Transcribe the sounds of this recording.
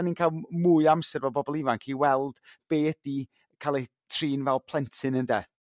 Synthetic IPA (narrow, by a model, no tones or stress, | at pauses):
niːnkʰaːlˠmuɨamsɛrvɛlˠbɔbɔlˠɪvankʰiwɛlˠd̥ | b̥eːəd̥i | kʰalˠɛ | tʰriːnvɛlˠpʰl̥ˠɛntʰɨnəndɛ